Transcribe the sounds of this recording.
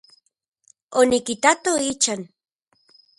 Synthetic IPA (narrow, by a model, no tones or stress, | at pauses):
onikit̪at̪oit͡ʃan